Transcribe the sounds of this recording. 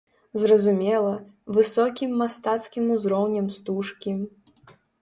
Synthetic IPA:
zrɐzumʲɛlˠɐvɨsɔkʲimːast̪at̪skʲimuzɾɔwnʲɐmst̪uʂkʲim

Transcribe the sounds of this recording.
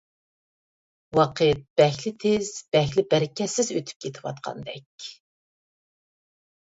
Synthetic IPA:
wɑqʰɨt̪̚b̥ɛxlɪt̪ʰezb̥ɛxlɪbɛɾɪkʲɛsɪzøt̪ʰy̥p̚kʲʰet̪ʰɪwɑ̰t̪̚qʰɑ̰nd̪ɛkʲ

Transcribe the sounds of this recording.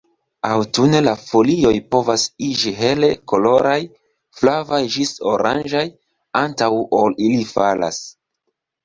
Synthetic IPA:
awtune̞lafo̞lio̞jpo̞vasid͡ʒiɦe̞le̞ko̞lo̞ɾaj | flavajd͡ʒiso̞ɾʔand͡ʒaj | antawolilifala̰s

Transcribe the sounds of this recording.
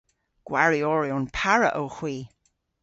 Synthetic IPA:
ɡ̥waɹiɔɹiʊnpʰaɹə̰ʔəwxwiː

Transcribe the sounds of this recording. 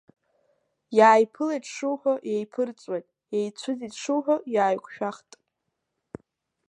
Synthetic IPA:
jaːjpʰɨlajʈ͡ʂʰʂuwħʷᶣojejpʰɨrt͡sʼwajtʼ | ejt͡st͡ɕʷʰʊzitʂɨwħʷᶣajaːjkʷʰʼʃᶣaχtʼ

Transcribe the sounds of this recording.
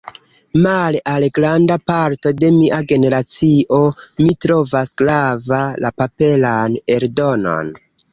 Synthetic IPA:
malalɡɾandapaɾto̞de̞miʔaɡe̞ne̞ɾat͡siʔo̞mitɾo̞vasɡ̥ɾavalapape̞lane̞ɾdo̞no̞̰n

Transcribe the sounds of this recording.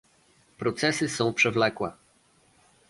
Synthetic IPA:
pɾɔt̪sɛsɘsɔ̃w̃pʂɛvlɛkwɛ̰

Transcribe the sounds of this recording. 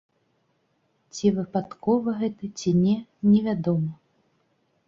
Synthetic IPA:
t͡sʲivɨpat̪kɔvɐɣɛt̪ɐt͡sʲinʲɛnʲɛvʲad̪ɔmɐ

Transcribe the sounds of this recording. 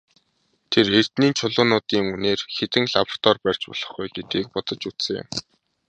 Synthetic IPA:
t̪ʰerer̥t̪niːnt͡ɕʰʊɮʊːnʊːt̪iːŋuneːrxet̪ɘ̆ŋɮapr̥t̪ɔrpær̥ʲt͡ɕpɔ̰ɮ̥ɞ̆χɡujɡet̪̚ɡiːk̚pɔt̪ɞ̆t͡ɕut͡ssɘ̆ŋɪ̰m

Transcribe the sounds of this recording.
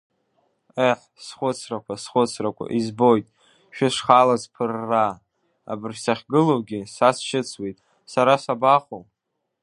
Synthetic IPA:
eħ | sχʷʊt͡sʰrakʷʰasχʷʊt͡sʰrakʷʰa̰ʔizbo̞jtʼ | ʃᶣɪʂχalazpʰɨrːa | a̰bɨrsaχʲɡɨlowɡʲɪsasʃɪt͡sʰwejtʼ | saɾasabaχowʼ

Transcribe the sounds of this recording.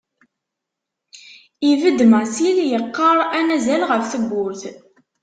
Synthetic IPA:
ivəd̪mæsiljəqːɑɾˤænæzælʁəfθəɡʷːʊɾθ

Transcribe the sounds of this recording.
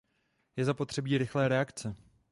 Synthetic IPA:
jɛzapo̞t̪r̥ɛbiːɾɪxlɛːɾɛakt͡sɛ

